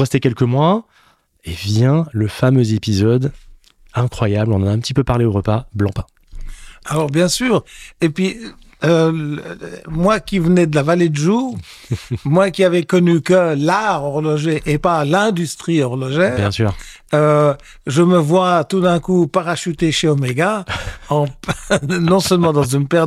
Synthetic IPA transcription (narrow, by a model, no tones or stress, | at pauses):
ʁɛst̪ekʲɛlkəmwa | evjɛ̃ləfamøzepizɔd̪ | ɛ̃kχwajablɔ̃nɑ̃naɛ̃pət̪ipøpaʁleoʁəpablɑ̃pɛ̃ | alɔʁbjɛ̃syːʁepɥi | ø̰ | mwakʲivənɛd̪əlavaled̪əʒu | mwakʲiavɛkɔnykəlaʁɔʁlɔʒeʔepalɛ̃d̪yst̪χiɔʁlɔʒɛbjɛ̃syːʁ | ø | ʒəməvwat̪ud̪ɛ̃kupaʁaʃyt̪eʃeɔmeɡaɑ̃pnɔ̃sœlmɑ̃d̪ɑ̃zynpɛʁ